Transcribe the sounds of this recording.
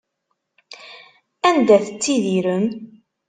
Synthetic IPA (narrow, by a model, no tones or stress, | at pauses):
ænd̪æθət͡sːiðiɾən